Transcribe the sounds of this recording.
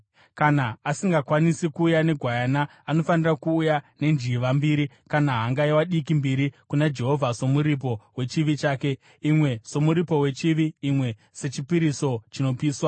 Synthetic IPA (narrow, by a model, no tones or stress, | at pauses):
kanaːsiŋɡakwanisikuːjane̞ɡʱwajanaːno̞fanirakuːjane̞nd͡ʒiʋambiːɾi | kanaɦaŋɡaiwaɗik̬imbiɾikunad͡ʒe̞ɦo̞vʱaso̞muɾip̬o̞we̞t͡ʃiʋit͡ʃaːke̞ | imwe̞so̞muɾipo̞we̞t͡ʃiʋiːmwe̞ | se̞t͡ʃipiɾiso̞t͡ʃino̞piːswa